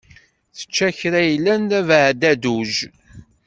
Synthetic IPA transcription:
θə̥t͡ʃːæçɾæjlːænðævʕd̪æd̪uʒ

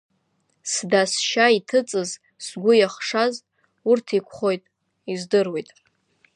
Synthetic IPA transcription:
sdasʃaitʰɨt͡sʼɨz | sɡʷʊjaχʂaz | urtʰikʷʰχo̞jtʼ | izdɨrwe̞jtʼ

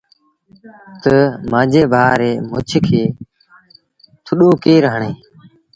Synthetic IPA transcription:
t̪əmãːd͡ʒeːbʱaːɾeːmʊt͡ʃʰkʰeː | t̪ʰʊɗoːkeːɾəɦɳeː

